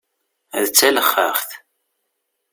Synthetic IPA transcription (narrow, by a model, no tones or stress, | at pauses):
ðət͡sːæləχːə̰χθ